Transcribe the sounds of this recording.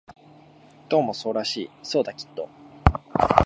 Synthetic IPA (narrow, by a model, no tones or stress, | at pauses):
d̪̥o̞ːmo̞so̞ːɾaɕiːso̞ːd̪akʲi̥t̪ːo̞